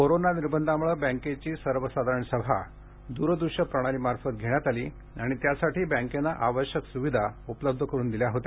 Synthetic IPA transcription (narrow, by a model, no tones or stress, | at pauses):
koɾonaniɾbənd̪ʱamuɭəbɛ̃ŋket͡ɕiːsəɾʋəsad̪ʱaɾəɳsəbʱa̰ | d̪uːɾəd̪uɕəpɾəɽ̃aliːmaɾfət̪̚ɡʱeɽ̃jat̪aliː | aɽ̃it̪jasaʈʰiːbə̃ŋkenːaʔaʋəɕjəksuʋid̪ʱaupələb̚d̪ʱəkəɾuːnd̪iljaɦot̪e